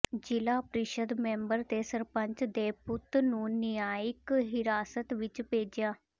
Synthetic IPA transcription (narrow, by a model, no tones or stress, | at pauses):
d͡ʒɪlaːpɾɪʃəd̪mɛ̃ːmbəɾt̪eːsəɾpə̃ɲt͡ʃd̪eːpʊt̪nũːnɪjaːɪkɦɪɾaːsət̪ʋɪt͡ʃpeːd͡ʒɪjaː